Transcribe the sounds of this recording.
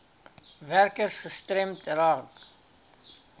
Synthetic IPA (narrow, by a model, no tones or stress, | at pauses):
værkərsχəstrɛmtrɑt